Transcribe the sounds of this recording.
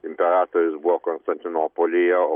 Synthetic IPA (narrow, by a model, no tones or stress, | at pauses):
ɪmʲpʲɛɾɑːt̪oɾʲʊsbʊʋokonst̪ɐnʲt̪ʲɪnoːpolʲɪjɛ